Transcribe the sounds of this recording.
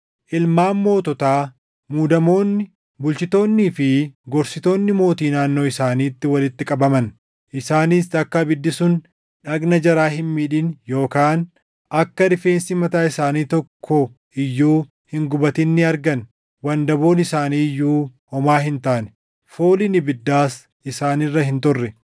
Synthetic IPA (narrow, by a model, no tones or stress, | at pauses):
ʔɪlmaːmːo̞ːt̪ɔt̪aː | muːd̪ɐmo̞ːnːɪ | bʊlt͡ʃɪt̪o̞ːnːiːfɪɡɔɾsɪt̪o̞ːnːɪmo̞ːt̪iːnaːnːo̞ːɪsaːniːt̪ːɪwɐlɪt̪ːɪkʼɐbɐmɐn | ʔɪsaːniːst̪ɐkːɐbɪd̪ːɪsʊn | ᶑɐɡnɐd͡ʒɐɾaːɦɪnmiːᶑɪnjo̞ːkaːn | ʔɐkːɐdɪfeːnsɪmɐt̪aːɪsaːniːt̪ɔkʰːɔ | ɪjːuː | hɪŋɡʊbɐt̪ɪnːɪɐɾɡɐn | wɐnd̪ɐbo̞ːnɪsaːniːjːuːhɔmaːɦɪnt̪aːnɛ̥ | foːlɪnɪbɪd̪ːaːs | ɪsaːniːrːɐhɪnt̪ɔrːɛ